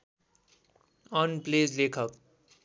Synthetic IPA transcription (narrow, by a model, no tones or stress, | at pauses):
ʌnplezlekʰʌk